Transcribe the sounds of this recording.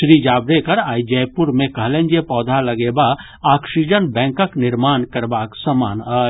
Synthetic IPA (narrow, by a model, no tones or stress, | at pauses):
sɾid͡ʒaːbɾekəɾaːid͡ʒɛjpuɾmẽkəɦlẽnd͡ʒepɔːd̪ʱaləɡeba | aksid͡ʒənbɛ̃ːŋkəknɪɾmaːnkəɾbaksəmaːnə